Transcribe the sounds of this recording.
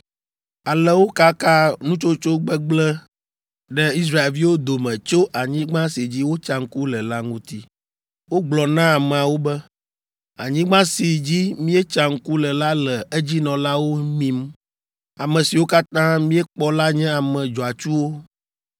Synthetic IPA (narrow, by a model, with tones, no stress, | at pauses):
a˨lɛ˦wo˦ka˦ka˦nũ˦t͡ʃo˦t͡ʃo˦ɡ͡bɛ˦ɡ͡blɛ˦ | ɖɛ˦i˦s̬ɾa˦˨e˨vi˦wo˦d̪o˨mɛ̃˨t͡ʃo˦ʔa˨ɲĩ˦ɡ͡bã˦si˨d͡ʑi˦wo˦t͡ʃa˦ŋ̩˦ku˦lɛ˨la˦ŋũ˦t̪i˦ | wo˦ɡ͡blɔ˨nã˦a˨mɛ̃˨a˨wo˦bɛ˦ | a̰˨ɲĩ˦ɡ͡bã˦si˨d͡ʑi˦mĩ˦ɛ˦t͡ʃa˦ŋ̩˦ku˦lɛ˨la˦lɛ˨e˦d͡ʑi˦nɔ̃˨la˦wo˦mĩ˦m | a˨mɛ̃˨si˨wo˦ka˦t̪ã˦mĩ˦ɛ˦k͡pɔ˦la˦ɲɛ̃˦a˨mɛ̃˨d͡ʒɔ˨a˨t͡ʃu˦wo˦